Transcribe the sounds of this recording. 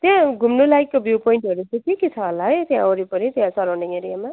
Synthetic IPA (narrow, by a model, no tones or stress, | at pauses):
t̪jãɡʱumnulajkːobjupojiɳʈʌɾut͡sĩk̪ikit͡sʰʌɦʌlaɦʌjt̪jã̰oɾipʌɾit̪jãsʌɾawneeɾijama